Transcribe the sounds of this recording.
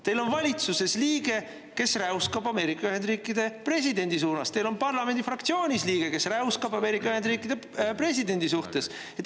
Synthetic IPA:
t̪e̞jlo̞nvɑlʲit̪suse̞sliːɡ̥e̞ | ke̞sræwskɑbɑme̞ːɾikːˑɑyhe̞nd̪riːkˑid̪̥e̞pre̞s̬id̪e̞nd̪is̬uːnɑst̪e̞jlo̞npɑrlɑme̞nd̪̥ifrɑkt̪sio̞ːnʲisliːɡ̥e̞ke̞sræwskɑbɑme̞ːɾikːˑɑyhend̪riːkːˑid̪̥e | pre̞sid̪e̞nʲd̪isuht̪e̞s | et̪

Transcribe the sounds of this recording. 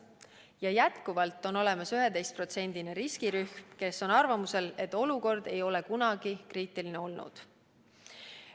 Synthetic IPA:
jɑjæt̪kuvɑlt̪ːˑo̞no̞le̞mɑsyɦed̪̥e̞jst̪̚pro̞t̪se̞nʲd̪̥ineɾiskiɾyxmke̞sːo̞nɑrvɑmuse̞le̞t̪ːˑo̞luko̞rd̪̥e̞jo̞le̞kunɑɡ̥ikɾiːt̪ˑilineo̞lnṵd̪̥

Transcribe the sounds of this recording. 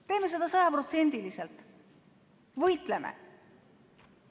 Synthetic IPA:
t̪e̞ːnus̬ed̪̥ɑsɑjɑpɾo̞t̪se̞nʲd̪iliselt̪ˑ | vɤjt̪lemḛ

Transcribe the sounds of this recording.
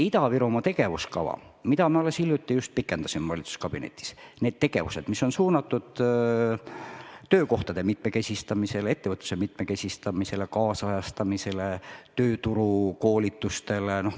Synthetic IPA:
it̪ɑviɾomɑt̪e̞ɡ̥e̞vuskɑ̰vɑ̰ | mid̪ɑmeolesilʲjut̪ːˑijust̪̚pikːˑend̪̥ɑsimvɑlit̪su̥skɑb̥inḛt̪ʲːˑi̥sneːd̪̥̚t̪e̞ɡ̥e̞̰vuse̞d̪misːo̞nsuːnɑt̪ːˑud̪̥ | t̪øːko̞ht̪ɑd̪e̞mit̪me̞ke̞sʲist̪ɑmise̞le̞t̪ːevɤt̪ˑːu̥semit̪meke̞sʲist̪ɑmise̞le̞kɑːsɑjɑst̪ɑmise̞let̪øːt̪uɾuko̞ːlʲit̪ːˑust̪e̞leno̞h

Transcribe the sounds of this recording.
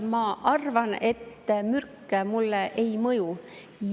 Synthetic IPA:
mɑʔɑrvɑne̞t̪ːmyrkːemulːeʔejmɤju

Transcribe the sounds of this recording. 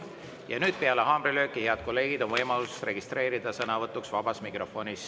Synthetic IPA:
jɑnyːd̪̥̚peɑleɦɑːmrilø̞ːkːˑihe̞ɑd̪̥̚ko̞lːe̞ːɡ̥id̪̥o̞nvɤjmɑlusre̞ɡist̪re̞ːɾid̪̥ɑsɤnɑvɤt̪ːˑuksvɑb̥ɑsmikro̞fo̞nis

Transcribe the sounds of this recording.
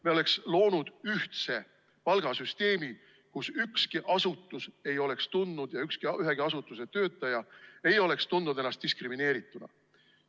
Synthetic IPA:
meo̞le̞kslo̞ːnud̪̥yht̪se̞ | pɑlɡ̥ɑsyst̪e̞ːmi | kusykskiʔɑsut̪ˑːuse̞jo̞le̞kst̪unːud̪̥jɑykskiʔyɦeɡ̥iɑs̬ut̪ːˑuse̞t̪ø̞ːt̪ːˑɑjɑe̞jo̞le̞kst̪unːud̪enːɑst̪iskrimine̞ːɾit̪ːˑunɑ̰

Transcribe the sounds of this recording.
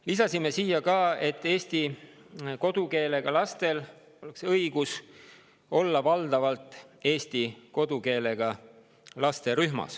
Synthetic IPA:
lisɑsime̞siːjɑkɑːe̞t̪ːˑe̞ːst̪i | ko̞d̪̥uke̞ːle̞ɡ̥ɑlɑst̪e̞l | o̞le̞ksɤiɡ̥us | o̞lːɑvɑld̪̥ɑvɑlt̪ˑe̞ːst̪iko̞d̪̥uke̞ːle̞ɡ̥ɑ | lɑst̪e̞ɾyhmɑ̰s

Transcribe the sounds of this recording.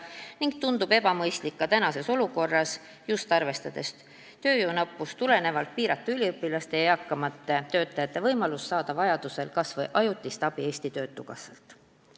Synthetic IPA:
niŋɡ̥̚t̪und̪ub̥e̞b̥ɑmɤjst̪likːɑt̪ænɑse̞so̞luko̞rːɑs | just̪ɑrve̞st̪ɑd̪̥e̞st̪ | t̪ø̞ːjuːnɑpːˑust̪ule̞ne̞vɑlt̪̚piːɾɑt̪ːˑuylʲiɤpːˑilɑst̪e̞jɑjɑkːˑɑmɑt̪ːˑe̞t̪ø̞ːt̪ːˑɑjɑt̪ːˑe̞vɤjmɑlusːɑːd̪̥ɑvɑjɑd̪̥use̞lkɑsvɤjʔɑjut̪ːˑist̪ɑb̥ie̞ːsʲt̪it̪ø̞ːt̪ːuɡɑsḛlt̪ˑ

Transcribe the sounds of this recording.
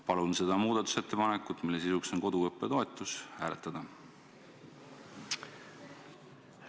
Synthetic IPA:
pɑlunse̞d̪̥ɑmuːd̪̥ɑt̪ːˑu̥se̞t̪ːe̞pɑnekːˑut̪ːˑmilːe̞s̬isukso̞nko̞d̪̥uɤpːe̞t̪o̞e̞t̪ːˑushæːlet̪ːˑɑd̪̥ɑ

